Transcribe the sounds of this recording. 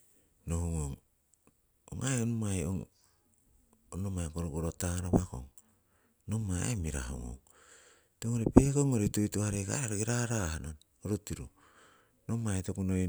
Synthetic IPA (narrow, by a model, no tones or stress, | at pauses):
nohuŋoŋ | o̰ŋajonumajoŋ | onomajkoɾokoɾotaɾaβako̰ŋ | nomaemiɾa̰ho̰ŋo̰ŋ | toŋoɾepekoŋoɾetojtuhaɾeka̰ɾaɾoɡiɾaɾahanon | oɾotiɾu | nomajtokunoj